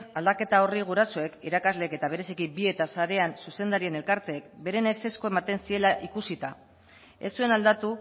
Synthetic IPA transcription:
ald̪ake̞t̪ao̞riɣ̞uɾasoe̞kiɾakazle̞ke̞t̪aβ̞e̞ɾe̞sikibie̞t̪asaɾe̞ansuse̞nd̪aɾie̞ne̞lkaɾt̪e̞ːkbe̞ɾe̞nese̞sko̞e̞mat̪e̞nsie̞laʔikusit̪a | e̞sue̞nald̪at̪u

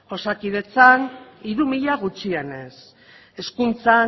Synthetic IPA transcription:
o̞sakið̞e̞t͡san | iɾumiʎaɣut͡ʃiene̞s | e̞skunt͡sa

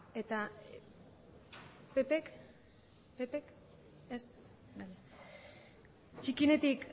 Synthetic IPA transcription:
et̪a | pe̞pek | pepek | est̪ | baʎa | t͡ʃikine̞t̪ik

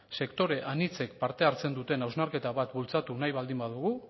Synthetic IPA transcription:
se̞kt̪o̞ɾe̞ʔanit͡se̞k̚paɾt̪e̞aɾt͡se̞nd̪ut̪e̞nawznaɾke̞t̪aβat̪bult͡sat̪unajβald̪imbaðuɣ̞u

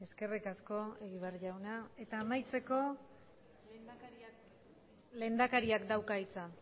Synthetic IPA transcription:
e̞ske̞rikasko̞e̞ɣiβeaɾʝawnae̞t̪aːmajt͡se̞ko̞ | le̞nd̪akaɾiakd̪awkait͡sa

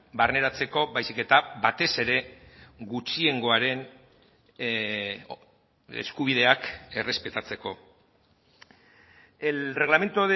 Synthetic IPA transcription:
barne̞ɾat͡se̞ko̞βajsike̞t̪abat̪e̞se̞ɾe̞ɡut͡ʃie̞ŋɡo̞aɾe̞n | ḛskuβ̞ið̞e̞ake̞re̞spe̞t̪at͡se̞ko̞ | ere̞ɣlame̞nt̪oðe

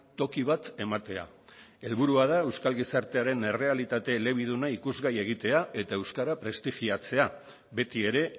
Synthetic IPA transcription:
t̪o̞kiβat̪e̞mat̪e̞a̰ | e̞lβuɾuað̞ae̞wskalɣisaɾt̪e̞aɾe̞ne̞re̞alit̪at̪e̞ːle̞β̞ið̞unaikuzɣaje̞ɣ̞it̪e̞ae̞t̪aewskaɾapɾe̞st̪iʝiat͡se̞a | βe̞t̪ie̞ɾe̞

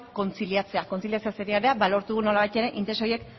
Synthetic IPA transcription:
ko̞nt͡siliat͡se̞ako̞nt͡siljat͡se̞aseɾiaɾeabalo̞ɾt̪uɣ̞uno̞laβajt̪e̞ɾe̞ʔint̪eso̞je̞k

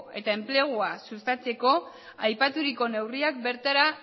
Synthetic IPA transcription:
e̞t̪ae̞mple̞ɣ̞uasust̪at͡se̞ko̞ | ajpat̪uɾiko̞ne̞wriak̚be̞ɾt̪aɾa

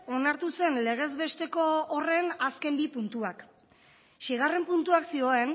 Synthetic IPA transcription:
o̞naɾt̪use̞nle̞ɣ̞e̞zβe̞st̪e̞ko̞ːre̞naske̞mbipunt̪uak | ʃiɣ̞are̞mpunt̪uaksio̞e̞n

